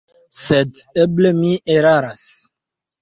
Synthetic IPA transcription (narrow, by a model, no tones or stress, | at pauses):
sɛteblemiʔeɾaɾas